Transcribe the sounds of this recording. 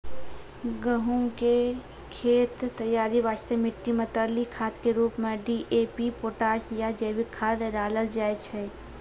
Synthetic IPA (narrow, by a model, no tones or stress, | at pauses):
ɡəɦuŋke | kʰeːt̪ːəjːaːɾiʋaːst̪emɪʈːimẽt̪əɾlikʰaːt̪keɾuːpmẽɖiːʔeːpipoːʈaːsjad͡ʒəjʋɪkʰːaːɾeɾaːləld͡ʒaːet͡ʃʰe